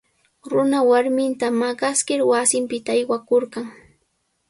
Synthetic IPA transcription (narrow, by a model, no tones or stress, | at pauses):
ɾʊnawaɾmɪnt̪amaɢɑskɪɾwasɪmpɪt̪aːjwakoɾɢɑŋ